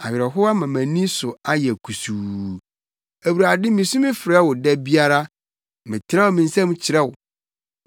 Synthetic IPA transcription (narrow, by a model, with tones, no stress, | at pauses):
a˨ɥɪ˨ɾɛ˨ɦʊ˦a˦mã˨mæ̃˨nĩ˦sʊ˨a˦jɛ˨æ˨kʰu˨su˨ | æ˨wu˨ɾa˨dɪ˦mĩ˨sũ˦mɪ̃˦fɪ˨ɾɛ˦wʊ˨dɛ˦bi˦a˦ɾa˦ | mɪ̃˨tʰɪ˨ɾɛ˦wʊ˨mĩ˨n̩˦sɛ̃˦m˦t͡ɕʰɪ˨ɾɛ˦wʊ˨